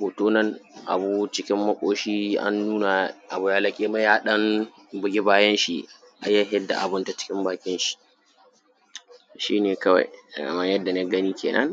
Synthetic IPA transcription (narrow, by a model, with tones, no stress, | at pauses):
boː˨toː˦nɐ˦nʔa̰˨bu˦t͡ʃɪ˦kʲɪ˦mːɐ˦kʷʼoː˦ʃiː˦ʔa̰˦nːuː˦na˨ʔa˨bu˦jaː˦lɐ˦kʲʼeː˦ma˦jaː˦ɗɐ˦n | bɪ˨ɡʲɪ˦baː˦jɐ˦nʃḭ˨ | ʔa̰˨ja˦ɦɛ˦dːa̰˨ʔa˨bɪ˦nta˨t͡ʃɪ̥˦kʲɪ˦mbaː˨kʲɪ˦nʃi̥˨ | ʃiː˦neː˨kɐ˦wa̰˨jkɐ̰˨mɐ˦ɲjɐ˦dːa˨na˦ɡɐ˦niː˦kʲʰḛː˨nʔɐ̰˦ŋ